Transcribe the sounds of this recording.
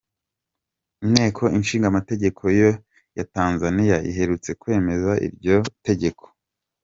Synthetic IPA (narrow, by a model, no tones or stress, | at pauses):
mne̞ːkʰo̞inʃiːŋɡamate̞ɟe̞kʰo̞jo̞ | jataːnzanijaḭɦe̞ɾut͡se̞kuwe̞ːme̞zaʔḭɾɟo̞te̞ɟe̞kʰo̥